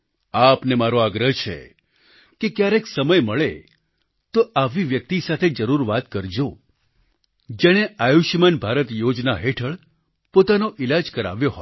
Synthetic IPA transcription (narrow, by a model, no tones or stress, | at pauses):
apnemaɾoaɡɾəɦt͡ʃʰḛ | kekjaɾeksəməjməɭe | t̪oʔaʋiʋjək̚t̪isat̪ʰed͡ʒəɾuɾʋat̪kəɾd͡ʒo | d͡ʒeɽ̃eʔajuʃmənbʱaɾət̪jod͡ʒnaɦeʈʰəɭ | pot̪anoʔilad͡ʒkəɾa̰ʋjoɦo